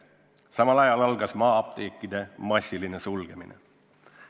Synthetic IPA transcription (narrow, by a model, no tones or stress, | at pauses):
sɑmɑlɑjɑlɑlɡ̥ɑsmɑːɑp̚t̪eːkːid̪̥e̞mɑsʲiline̞sulɡ̥e̞minḛ